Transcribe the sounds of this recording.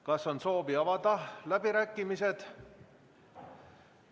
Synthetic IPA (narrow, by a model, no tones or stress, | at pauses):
kɑsːo̞nso̞ːbiɑvɑd̪ɑlæb̥iɾæːkːimise̞d̪̥